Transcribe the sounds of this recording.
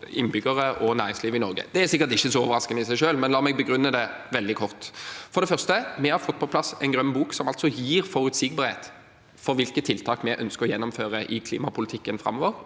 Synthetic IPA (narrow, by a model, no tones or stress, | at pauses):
ɪ̰nbʏɡəʁəʔɔnæːɾɪŋsliːʋɪnɔʁɡə̰d̪ɛæʁsɪkːəɾt̪ɪçːəsɔoːʋəɾɑskənəɪsæɪʃøːlmɛnlɑːmɛɡ̚bəɡɾʉnːəd̪ɛʋɛld̪ɪkʰɔʁt̪fɔɾd̪ɛfœʁst̪əmɛhɑɾfɔt̪̚ːpʰɔpʰlɑsɛɪnɡʁœmːbuːksɔmɑlt̪sɔjiːɾfɔɾʉt̪sɪɡ̚bɑːɾhḛːt̪ | fɔɾʋɪlkət̪ʰɪlt̪ʰɑːkmɛʔœnskəʁɔjɛnːɔmføːʁəʔɪkʰlḭːmɑpʰʊlɪt̪ʰɪkːənfʁɑ̰mːoːʋəʁ